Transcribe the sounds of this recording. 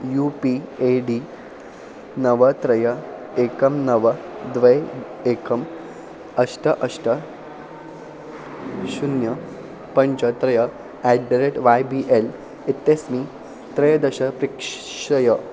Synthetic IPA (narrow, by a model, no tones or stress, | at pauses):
juːpieɖiː | nɐʋɐt̪ɾɐjɐ | ekɐmnɐʋɐ | d̪ʋɐj | ekʰɐm | ɐʂʈɐʔɐʂʈɐ | ʃunjɐ | pɐɲt͡ʃɐt̪ɾɐjɐ | ɛɖɖɐɾeʈʋajbiːʔel | it̪ːesmiː | t̪ɾɐjɐd̪ɐɕɐpɾikʂʂɐjɐ